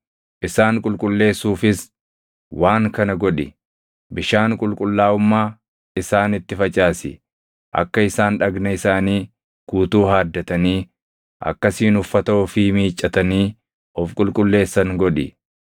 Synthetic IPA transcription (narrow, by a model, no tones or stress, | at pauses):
ʔɪsaːŋkʼʊlkʼʊlːe̞ːsːuːfɪs | waːŋkɐnɐɡɔᶑɪ | bɪʃaːŋkʼʊlkʼʊlːaːʊmːaː | ɪsaːnɪt̪ːɪfɐt͡ʃʼaːsɪ | ʔɐ̰kːɐɪsaːnᶑɐɡnɐɪsaːniː | kuːt̪uːɦaːd̪ːɐt̪ɐniː | ʔɐ̰kːɐsiːnʊfːɐt̪ɐoːfɪmiːt͡ʃʼːɐt̪ɐniː | ɔfkʼʊlkʼʊlːe̞ːsːɐŋɡɔᶑɪ